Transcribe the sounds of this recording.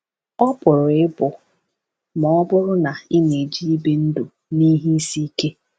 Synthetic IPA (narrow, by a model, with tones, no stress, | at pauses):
ɔ˦pʊ˨ɾʊ˨ɪ˦bʊ˨ | mɔ˨ɔ˦bʊ˦ɾʊ˦na˨ɪ˦ne˨d͡ʒi˦i˦be˦n̩˦dʊ˨ | ni˦ɦi˦i˦si˦ke˦